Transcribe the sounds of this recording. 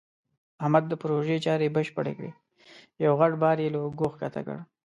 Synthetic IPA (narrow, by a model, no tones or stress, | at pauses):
ahmad̪̚ːəpɾoʒet͡ʃɑɾebəʃpəɽḛkɽḛ | jawɣaʈbɑɾjelaɡoxkat̪ʰa̰kə̰ɽ